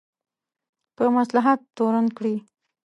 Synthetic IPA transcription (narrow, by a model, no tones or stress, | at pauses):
pəmaslaɦat̪ːoɾankɽi